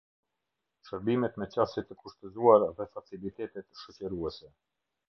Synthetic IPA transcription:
ʃəɾbimɛt̪mɛt͡ɕasit̪əkuʃt̪əzuaɾðɛfat͡silit̪ɛt̪ɛt̪ʃɔt͡ɕəɾuɛsɛ

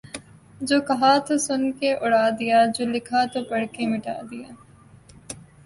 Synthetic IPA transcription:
d͡ʒoːkɐɦaːt̪oːsʊnkeʔʊɽaːd̪ɪjaːd͡ʒoːlɪkʰaːt̪oːpəɽ̤kemɪʈa̰ːd̪ɪja̰ː

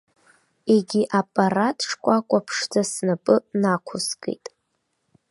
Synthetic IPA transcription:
eɡʲiʔapʼaratʰʈ͡ʂʰkʷʼakʷʼapʰʂd͡zasnapʼɨnakʷʰʊsɡʼḛjtʼ

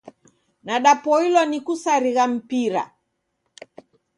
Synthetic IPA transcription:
naɗapɔilɔnikusaɾiɣam̩piɾa̰

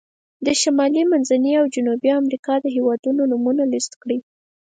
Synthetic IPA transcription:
d̪əʃamɑlimanzaniawd͡ʒʊnubiamɾikɑd̪əɦewɑd̪unonumunalist̪kɽi

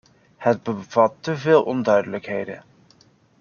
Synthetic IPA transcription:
həd̚bəv̥ɑtːəvɪːlˠʔɔndœɥdələkɦejdə̰

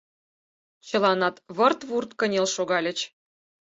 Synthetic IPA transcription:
t͡ɕə̆lɑnɑt̪βɤrt̪βurt̪kə̆nʲelʃoɣɑlʲə̆t͡ɕ

